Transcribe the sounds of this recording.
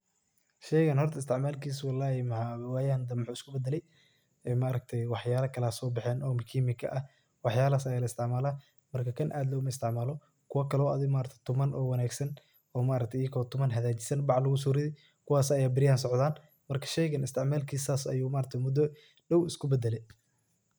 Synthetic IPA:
ʃɛjɣɐnhɔrt̪ʰɐɪst̪ʰɪʕmaːlkʰiːswɑlːaːhɛmɐʕawaːjaːnd̪ɐmħuːɪskʊbɛd̪ɛlɛj | ɛːmaʔɾɐk̚t̪ʰɛjwɑħjaːlɐkʰɐlɐːsɔːbɪħɛːnʔɔːmɪkʰiːmɪkʰɐ̰ʔɐh | wɑħjaːlasɐjalɐɪst̪ʰɪʕmaːlɐ | mɐrkʰɐkʰɐnʔaːd̪lɔːɣʊmɐɪst̪ʰɪʕmaːlɔ | kʰʊwɐkʰɐlɔɐ̰ðɪɣmaːɾɐk̚t̪ʰɛ̥t̪ʰʊmɐnʔɔːwɑnaːɡsɐn | ɔːmaːɾɐk̚t̪ʰɛjɐkʰɔt̪ʰʊmɐnɦɐðaːt͡ʃɪ̥sɐnbɑʕlɐɣʊs̬uːɾɪðɪ | kʰʊwaːsɐjaːbɪɾɪjaːnsɔʕd̪aːn | mɐrkʰɐ̥ʃɛjɣɐnɪst̪ʰɪʕmaːlkʰiːsaːsɐ̰juːmaːɾɐk̚t̪ʰɛjmʊd̪ɔ | ɖɐwɪskʰʊbɛd̪ɛlɛj

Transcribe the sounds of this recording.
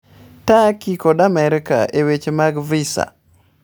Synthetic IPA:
takikɔdamɛɾɪka̰ʔewet͡ʃemaɡvisa̰

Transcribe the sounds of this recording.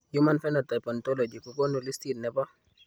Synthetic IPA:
jumanfɛnɔtajpɔntɔlɔd͡ʒikukɔnulistitnɛpɔ

